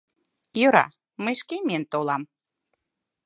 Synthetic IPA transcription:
jøɾɑ̰ | məjʃkemʲent̪olɑm

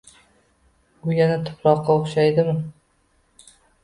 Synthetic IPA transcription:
ʊjanat̪ʰʊ̥plˠɒqːɑoχʃajd̪ɪmɪ

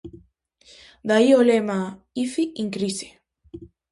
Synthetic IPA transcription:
d̪aiolema | ifiʔiŋkɾise̥

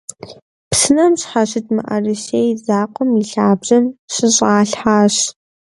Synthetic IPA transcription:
psɨnɐmɕħaɕɪtmɨʔɐ̰rɨʃeːjzaːqʷɔmiɬaːbʑɐmɕɨɕʼaːɬħaːɕ

